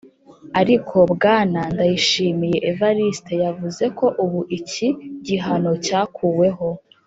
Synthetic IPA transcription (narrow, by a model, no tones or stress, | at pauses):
aɾikʰo̞bɡaːnandajiʃiːmije̞ʔevaɾiste̞javuze̞ko̞ʔuβuʔiciɟiɦano̞caːkʰuwe̞ɦo̞